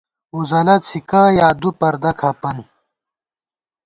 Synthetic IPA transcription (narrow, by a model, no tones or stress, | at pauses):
uzɐlɐt̪t͡sʰikaːjaːd̪upɐɾd̪ɐkʰɐpɐn